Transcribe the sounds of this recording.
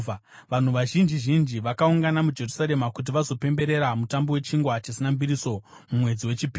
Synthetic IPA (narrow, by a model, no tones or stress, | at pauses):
ʋan̤uʋaʒind͡ʒiʒind͡ʒiʋakauŋɡanamud͡ʒe̞rusaɾe̞makut̬iʋazo̞pe̞mbe̞ɾe̞ɾamutambowe̞t͡ʃiŋɡwat͡ʃisinambiɾiso̞ | mumwe̞d͡ziwe̞t͡ʃipi